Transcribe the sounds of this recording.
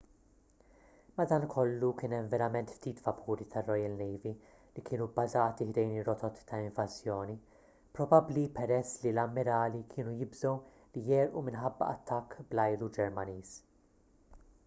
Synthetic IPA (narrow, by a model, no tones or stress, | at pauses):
mɐd̪ɐːnkʰɔlːukɪːnɛmvɛɾɐmɛnt̪ft̪iːt̪fɐpuːɾit̪ʰɐrːɔjɐlnɛjvi | likʰɪːnubɐzɐːt̪ihd̪ɛjnɪrːɔt̪ʰɔt̪ːɐɪ̃ɱvɐzjɔːni | pɾɔbɐblipɛɾɛsːlilɐmːɪɾɐːlikʰɪːnujɪbzɔw | lijɛːɾʔumɪnħɐbːɐ̰ɐt̪ːɐkːblɐjlud͡ʒɛɾmɐniːs